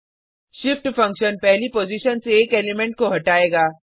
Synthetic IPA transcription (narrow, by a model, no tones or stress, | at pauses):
ʃɪfʈfɐ̃ŋkʃənpɛɦlipoːziʃənseːkeːlɪmẽɳʈ̚koɦɐʈaːeːɡaː